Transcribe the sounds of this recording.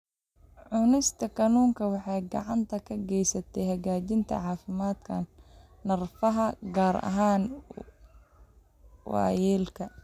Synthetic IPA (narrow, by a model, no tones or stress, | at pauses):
ʕʊnɪst̪ʰɐkʰɐnuːŋkʰɐwɑħɑjɡɑ̰ʕɑnt̪ʰɐkʰɐɡɛjsɐt̪ʰɛjɦɐɣaːt͡ʃɪnt̪ʰɐ̰ʕɑːfɪmaːd̪kʰɐnː | ɐrfɐɦɐɡaːɾɐ̰ɦaːn | wɑ̰ːjɛːlkʰɐ